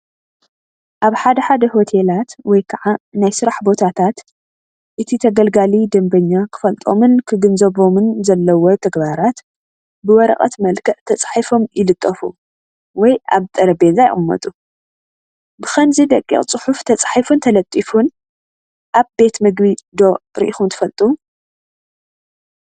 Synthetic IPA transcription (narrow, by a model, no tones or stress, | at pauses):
ʔaβħad̪ɐħad̪ɐho̞t̪ʰe̞lat̪wɔjkʰɐʕanajsɨɾaħbo̞t̪ʰat̪ʰat̪ | ʔɨt̪ʰit̪ʰɐɡɐlɡalid̪ɐmbɐɲːakʰɨ̥fɐlt̪ʼomɨnkʰɨɡɨnzɐβo̞mɨnzɐlːɐwot̪ʰɐɡbaɾat̪ | bɨwɔɾɐ̰χʼɐ̰t̪mɐlkʰɐʔt̪ʰɐt͡sʼḁħifo̞mjɪlɨt̪ʼːɐfṵ | wɔjʔa̰βt̪ʼɐɾɐbenzaj̰χʼɨmːɐ̰t̪ʼu | bɨxɐnzid̪ɐkʼːḭχʼt͡sʼɨħuft̪ʰɐt͡sʼħifunt̪ʰɐlɐt̪ʼːifun | ʔaβbe̞t̪mɨɡbid̪o̞ɾɨ̰ʔixunt̪ʰɨ̥fɐlt̪ʼu